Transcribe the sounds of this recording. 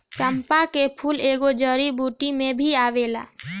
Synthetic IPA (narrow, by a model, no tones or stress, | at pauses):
t͡ʃəmpakepʰuːleːɡod͡ʒəɾibʱuːʈimẽbʱiaːʋeːla̰ː